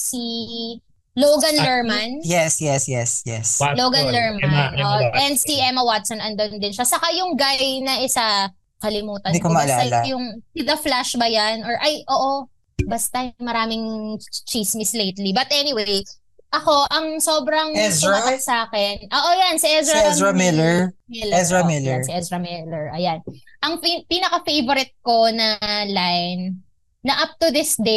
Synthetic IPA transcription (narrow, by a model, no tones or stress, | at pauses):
si | loɡɐnlɛɹmɐnjɛsjɛsjɛsjɛ̰slowɡɐnlɛɹmnʔoʔɛnd̪̚siʔɛmɐwat̪sɐnɐnd̪ɐʊnd̪ɪnʃasɐkajʊŋɡajnɐʔɪsɐ | kɐlɪmuːt̪ɐnd̪ikomɐbɐlaːɐjajʊŋsɪðɐflaʃbɐjanɔɹʔɐjʔoːʔo̞ | bɐst̪ɐmɐɾaːmɪŋt͡ʃismislejt̪libɐt̪ʔɛnɪwej | ʔɐko̞ʔɐŋsoːbɾɐŋɛɪakɐt̪saːkɛnʔoːʔojansiʔɛzɹɐzɹɐmɪlɛɹmɪlɛsɹɐmɪlɛsɪʔɛsɹɐmɪlɛɹʔɐjanʔɐŋpinɐkɐfejvɔɾɪt̪̚ko̞nɐlajnː | ɐʔap̚t̪uðɪsd̪e